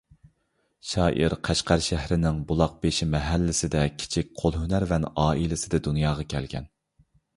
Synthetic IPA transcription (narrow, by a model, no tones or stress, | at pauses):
ʃɑːʔiɾqʰæʃqæɾʃæhɾɪnɪŋbulˠɑq̚beʃimɛɦælːɪsɪd̪ɛkʲʰi̥t͡ʃʰik̚ʲqʰolˠɦynæɾvɛnɑːilɪsɪd̪ɛd̪unjɑːʁɑkʲʰɛlɡʲʰɛ̰n